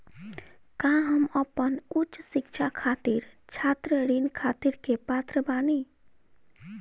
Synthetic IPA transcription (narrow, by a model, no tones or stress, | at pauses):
kãɦəməpənut͡ʃsikt͡ʃʰakʰat̪iɾt͡ʃʰat̪ɾəɾinkʰat̪iɾkepat̪ɾəbani